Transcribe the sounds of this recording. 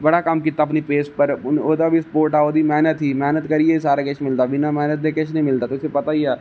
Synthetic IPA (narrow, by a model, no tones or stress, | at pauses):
bɐɽakɐmkiːt̪aɐpnipeːspəɾoːd̪abʱispoːɾʈaːoːd̪imɛːnət̪ːimɛːnət̪kɐɾiesaːɾakɪt͡ʃʰmɪlt̪abɪnamɛːnət̪̚d̪ekɪt͡ʃʰnɦĩmɪlt̪aːt̪oʊsepɐt̪aiaː